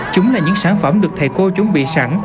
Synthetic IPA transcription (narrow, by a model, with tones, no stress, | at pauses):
t͡ɕʊ˨˦ŋ͡mlaː˨˩ɲɨ̰˧˥ŋsaː˧˩nfə˧˩mɗɨ˨˩ək̚t̪ʰə˨˩jko˧t͡ɕʊ˨˦ŋ͡mɓḭ˧˨sa˧˩n